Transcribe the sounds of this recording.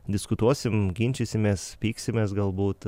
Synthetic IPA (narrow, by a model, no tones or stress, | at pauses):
d̪ʲɪskʊt̪uɔsʲɪmɡʲɪnʲt͡ʃʲɛsʲɪmʲeːspʲiːksʲɪmʲeːsɡɐlˠbuːt̪